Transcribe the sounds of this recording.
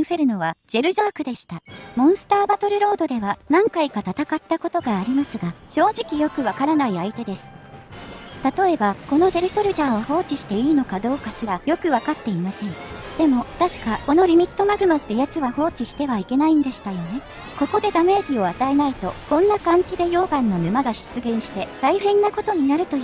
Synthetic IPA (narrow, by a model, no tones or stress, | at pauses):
ɯ̟ɸe̞ɾɯ̟no̞β̞ad͡ʑ̥e̞ɾɯ̟zaːkɯ̟d̪e̞ɕi̥t̪amõ̞ɰ̃sɨ̥t̪aːbat̪o̞ɾɯ̟ɾo̞ːd̪od̪e̞βanãŋkaikat̪at̪akat̪ːako̞t̪o̞ɡaːɾʲimasɨɡaɕo̞ːʑikʲijo̞kɯ̟βakaɾanaiait̪e̞d̪e̞sɨ̥ | t̪at̪o̞e̞bako̞no̞d͡ʑe̞ɾɯ̟so̞ɾɯ̟ʑaːoho̞ːt͡ɕiɕi̥t̪e̞iːno̞kad̪o̞ːkasɨɾajo̞kɯ̟βakat̪ːe̞imasẽ̞ŋd̪̥e̞mo̞t̪aɕi̥kako̞no̞ɾʲimʲit̪ːo̞maɡɯ̟mat̪ːe̞jat͡sɨβaho̞ːt͡ɕiɕi̥t̪e̞βaike̞naĩnd̪e̞ɕi̥t̪ajo̞ne̞ | ko̞ko̞d̪e̞d̪ame̞ːʑio̞at̪aenait̪o̞kõ̞nːakãɲ̟d͡ʑid̪e̞jo̞ːɡãnːo̞nɯ̟maɡaɕɨ̥t͡sɨɡẽ̞ɰ̃ɕi̥t̪e̞t̪aiɸẽ̞nːako̞t̪o̞ɲ̟inaɾɯ̟t̪o̞